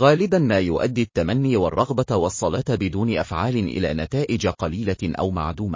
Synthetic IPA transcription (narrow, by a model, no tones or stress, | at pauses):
ɣaːlɪbanmaːjʊʔa̰d̪ːit̪ːamanːiːwɑrˤːɑɣbawɑsˤːɑlɑːt̪bɪd̪uːnɪʔafʕaːlɪnʔɪ̰la̰ːnat̪aːʔɪd͡ʒaqɑliːlaʔa̰wma̰ʕd̪uːma